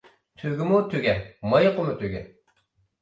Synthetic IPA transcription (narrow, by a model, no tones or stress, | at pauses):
t̪ʰyɡʲimut̪ʰøɡʲɛmɑjqomut̪ʰøɡʲɛ